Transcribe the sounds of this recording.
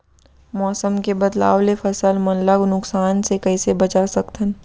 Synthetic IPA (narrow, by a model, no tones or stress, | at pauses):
mɔːsəmkebɐd̪la̰ːʋlefɐsəlmɐnləɡnʊksaːnsekɐisebɐt͡ʃasɐkt̪ʰən